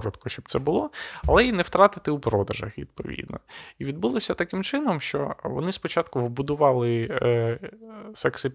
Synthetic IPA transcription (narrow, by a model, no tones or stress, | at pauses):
ɾɔt̪kʊʃʲt͡ʃɔb̚t̪sɛbʊlˠɔɐlˠɛinɛwt̪ɾɑt̪ɪt̪ɪupɾɔd̪ɐʒɐ̰xʋʲḭd̪pɔ̰ʋʲḭd̪nɔ̰iʋʲid̪bulˠɔsʲɐt̪ɐkɪmt͡ʃɪnɔmʃt͡ʃɔ̰ʋɔ̰nɪspɔt͡ʃɑt̪kʊwbʊd̪ʊʋɑlˠɪ | sɛksɪ